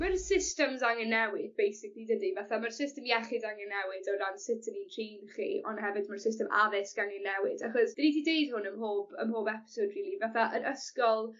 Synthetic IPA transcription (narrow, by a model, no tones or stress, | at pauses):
mərsɪstəmzaŋənːɛwɪd̚bejsɪklidədivaθamərsɪstəmjɛχɪdaŋənːɛwɪdɔdansɪtʰənitʰriːnχḭʔɔ̰nɦɛvɨdmərsɪstəmʔa̰ðɪsɡ̥aŋənːɛwɪdaχɔsd̥ənitʰidejdhʊnəmɦoːbə̰mhoːbɛpɪ̥sowdriːlivaθaʔənəskɔlˠ